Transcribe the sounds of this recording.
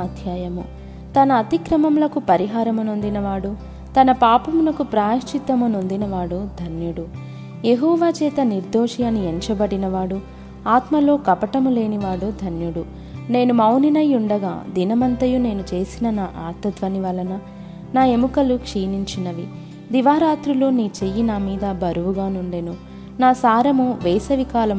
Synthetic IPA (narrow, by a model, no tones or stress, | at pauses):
aːd̪ʱjaːjɐmṵ | t̪ɐnɐːt̪ikɾɐmɐmlɐkupɐɾiɦaːɾɐmɐnond̪inɐʋaːɽu | t̪ɐnɐpaːpɐmulɐkupɾaːɐʃt͡ʃit̪ːɐmunond̪inɐʋaːɽud̪ʱɐnjuɽu | jeɦɔːʋaːt͡ʃɛːt̪ɐniɾd̪oːʂijɐnːieɲt͡ʃɐbɐɽinɐʋaːɽu | aːt̪mɐlo̞ːkɐpɐʈɐmule̞ːniʋaːɽud̪ʱɐnjuɽu | ne̞ːnumɐwninɐjuɳɖɐɡa̰ːd̪inɐmɐnt̪ɐjune̞ːnut͡ʃe̞ːsinɐnaːʔaːt̪ɐd̪ʋɐniʋɐlɐnɐ | naːe̞mukɐlukʂiːniɲt͡ʃinɐʋḭ | d̪iʋaːɾaːt̪ɾuloːniːt͡ʃejːinaːmiːd̪ɐbʱɐɾuʋuɡaːnuɳɖeːnu | naːsaːɾɐmuʋeːsɐʋikaːlɐm